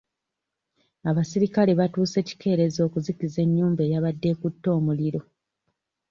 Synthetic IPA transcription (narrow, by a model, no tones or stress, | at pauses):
aβasiɾikaleβatuːse̞ːci̥kʰe̞ːɾe̞zo̞ːkuzikize̞ɲːuːmbe̞ːjaβadːe̞kutːo̞ːmuliɾo̞